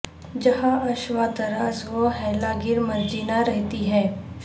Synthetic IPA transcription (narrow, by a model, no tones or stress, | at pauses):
d͡ʒɐɦãɐʃʋaːt̪əɾazʋoɦɛːlaɡɪɾmɐɾd͡ʒiːnaɾɛɦt̪iɦɛː